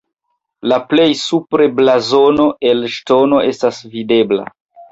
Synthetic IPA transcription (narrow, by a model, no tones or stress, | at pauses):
laple̞jsupɾe̞blazo̞no̞e̞lʃto̞no̞e̞stasvide̞bla̰